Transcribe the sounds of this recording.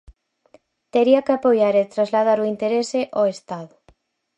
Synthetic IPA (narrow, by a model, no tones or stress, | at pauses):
t̪eɾiakeapojaɾet̪ɾazlað̞aɾuint̪eɾeseʔoest̪aðʊ